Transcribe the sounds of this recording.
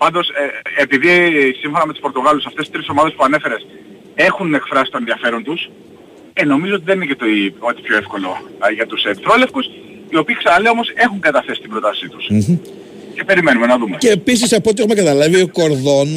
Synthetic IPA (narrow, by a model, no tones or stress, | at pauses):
pɐnd̪o̞seepiðisimfo̞nɐme̞t̪u̥spo̞ɾt̪o̞ɣɐlusɐft̪esi̥st̪ɾiso̞mɐðe̞spuɐne̞fe̞ɾe̞s | e̞xune̞kfɾɐsi̥st̪onenðiɐfe̞ɾo̞nt̪us | eno̞mizoot̪iðe̞ninecet̪ot̪i̥pço̞efko̞lo̞ʝɐt̪used̪fɾolefkus | io̞piːxsɐnɐlio̞mo̞se̞xuŋɡɐt̪ɐθe̞si̥t̪ibɾo̞t̪ɐsit̪u̥s | cepe̞ɾime̞nume̞nɐðumeceːpis̬isɐpo̞t̪ixume̞kɐt̪ɐlɐvioko̞ɾðo̞n